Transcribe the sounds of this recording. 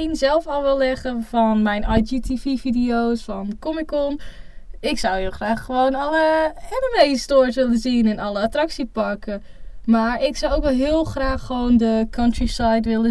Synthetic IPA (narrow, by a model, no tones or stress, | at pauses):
inzɛlˠfɔlˠʋɛlːɛχəfɔnmɛjnajd͡ʒitʰififidiowsfɑnkɔmɪkɔn | ɪksawhɪːlˠχraːχːəʋownɑləɛməmestoːɹsʋɪlənzinɪnɑləatrɑksipɑkəmaːɹɪksawowkʋɛlˠɦɪːlˠχraːχːəʋowndəkʰɑntɹisajtʋɪlə